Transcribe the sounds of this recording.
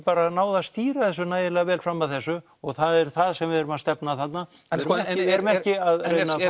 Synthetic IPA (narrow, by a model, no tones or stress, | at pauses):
paːɾanaːwðast̪iːɾaðθɛsːʏnaːjðɪlaavɛːlfɾamːaðθɛsːʏ | ɔɣθaðɛɾ̥θaðsɛmvɪvɪɾʏmast̪ɛpnaθat̪naɾɛɾʏmɛcɪaðrejna